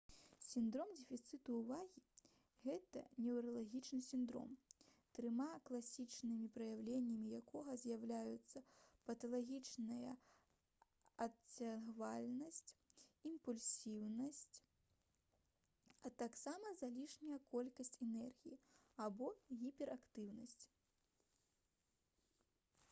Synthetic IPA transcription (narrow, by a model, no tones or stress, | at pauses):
sʲind̪ɾɔmd͡zʲɛfʲit̪sɨt̪uːvaɣʲi | ɣɛt̪ɐ̰nʲɛwɾɐlˠaɣʲit͡ʂnɨsʲind̪ɾɔ̰mt̪ɾɨmaklˠasʲit͡ʂnɨmʲipɾɐjawlʲenʲːɐmʲijakʰɔɣɐzʲjawlʲajut̪sːɐpɐt̪ɐlˠaɣʲit͡ʂnɐjɐ̰ | ɐt͡sʲːaɣvalʲnɐsʲt͡sʲimpulʲsʲiwnɐsʲt͡sʲ | ɐt̪aksamɐzalʲiʂnʲɐjɐkɔlʲkɐsʲt͡sʲɛnɛrɣʲijiabɔɣʲipʲɛɾakt̪ɨwnɐsʲt͡sʲ